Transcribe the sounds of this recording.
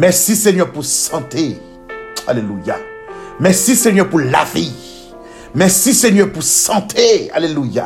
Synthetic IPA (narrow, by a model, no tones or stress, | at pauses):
mɛʁsisɛɲœʁpuʁsɑ̃t̪e | a̰leluja̰ | mɛʁsisɛɲœʁpuʁlavi | mɛʁsisɛɲœʁpuʁsɑ̃t̪ʰea̰leluja̰